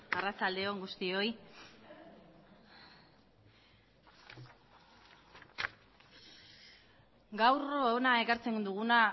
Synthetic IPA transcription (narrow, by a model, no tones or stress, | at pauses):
arat͡sald̪e̞oŋɡust̪io̞j | ɡawroenae̞kaɾt͡se̞nd̪uɣ̞una